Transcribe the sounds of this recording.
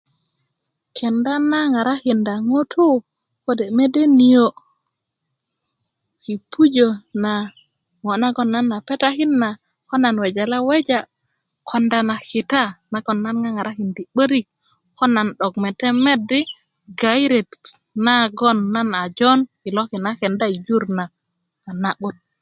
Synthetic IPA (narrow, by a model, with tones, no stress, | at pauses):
kʰe˨nda˦na˦ŋa˨ɾa˦hi˨nda˨ŋo˦tʰu˦ | ko˦de˨me˦de˦ni˨jo˦ | ki˨pʰu˦d͡ʒo˨na˨ | ŋo˨na˦ɡo˨nːa˦nːa˨pe˦ta˦hi˦nːa˨ | ko˦na˨nwe˨d͡ʒa˨la˦we˦d͡ʒa˦ | kʰo˨nda˨na˨ki˨ta˦na˨ɡo˨nːa˦nŋa˦ŋa˨ɾa˦ki˨ndi˨ɓə˦ɾi˦k̚ | ko˦na˨nɗo˨ɡme˨te˦me˦di˦ | ɡa˨i˦ɾe˨t | na˦ɡo˦nːa˦na˨d͡ʒo˦nki˨lo˦ki˨na˦ke˨nda˦i˨d͡ʒu˦ɾnaː˨ | na˨ɓu˦t̚